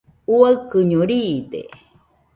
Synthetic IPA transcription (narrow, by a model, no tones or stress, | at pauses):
uaɨkɨɲoɾid̪ḛ